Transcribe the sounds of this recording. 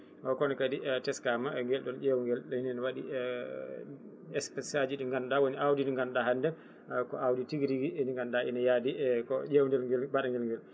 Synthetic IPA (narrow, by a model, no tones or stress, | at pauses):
ʔɔkɔnɛkaditɛskamaɛŋɡɛlɗɔnd͡ʒewŋɡɛlɗɔhinɛnɔwaɗḭ | ɛspɛsad͡ʒiɗiŋɡanɗawoniawdiniŋɡanɗaɦandɛ | kɔ̰awditiɡiɾiɡiɛniŋɡandaʔḭnajadikɔd͡ʒewndɛlɡɛlbaɗaŋɡɛlŋɡɛl